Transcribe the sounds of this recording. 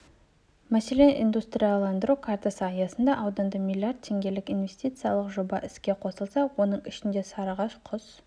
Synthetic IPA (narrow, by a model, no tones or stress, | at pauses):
mæse̞le̞nʔḭnd̪ust̪ɾʲijɑlˠɑnd̪əɾukʰart̪asəɑjɑsənd̪ɑʔɑwd̪ɑnd̪əmʲilʲːiardt̪̚tʰːe̞ŋɡʲe̞lɪkʲinvʲe̞st̪it̪sɨjɑlˠəqʒo̞bɑʔɪskʲe̞qʰo̞səlˠsɑwo̞nəɴɪʃɪnd̪e̞sɑɾɑʁɑʃqʰʊz